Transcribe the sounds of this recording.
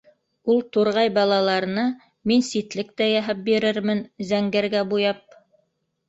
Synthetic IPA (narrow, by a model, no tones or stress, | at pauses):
ulˠt̪uɾʁɑjbɑlˠɑlˠɑɾɤ̆nɑ | minsit̪lɘk̚t̪æjæɦæp̚biɾɘɾmɘnzæŋɡæɾɡæbujɑp̚